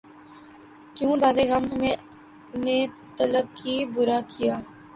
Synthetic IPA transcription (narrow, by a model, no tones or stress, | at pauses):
kjũːd̪aːd̪eːɣamɦəmẽː | neː | t̪ələb̚kiːbʊɾaːkʰɪjaː